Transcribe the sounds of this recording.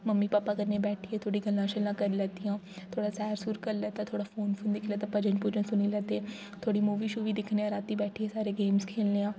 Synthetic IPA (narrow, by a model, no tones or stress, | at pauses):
məmːiːpaːpaːkəɾnẽːbɛːʈʰieːt̪ʰoːɽiːɡəlːãːʃəlːãːkəɾiːlɛːt̪ijãː | t̪ʰoːɽaːsɛːɾsuɾkəɾlɛːt̪ãːt̪ʰoːɽaːfʰoːnfʰʊnd̪ɪkʰlɛːt̪ãːpəd͡ʒəɳʈpuːd͡ʒə̃sʊniːlɛːt̪eː | t̪ʰoːɽiːmuːʋiːʃuːʋiːd̪ɪkʰneːãːɾaːt̪iːbɛːʈʰiːeːsaːɾeːɡeːmskʰeːlneːãː